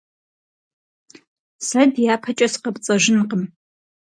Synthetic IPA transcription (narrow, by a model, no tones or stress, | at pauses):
sɐdjaːpʰɐt͡ʃʼɐsqɐpʼt͡sʼɐʒʷɪnqəm